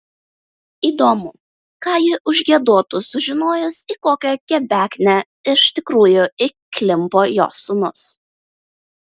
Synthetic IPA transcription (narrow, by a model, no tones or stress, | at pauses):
iːd̪oːmʊ | kɑːjɪʔʊʒʲɡʲiɛd̪uɔt̪ʊsʊʒʲɪnoːjʊsikoːkʲɛkʲɛbʲæːkʲnʲɛ | ɪʃt̪ʲɪkɾuːjʊɪkʲlʲɪmpoːjo̰ːsʊnʊs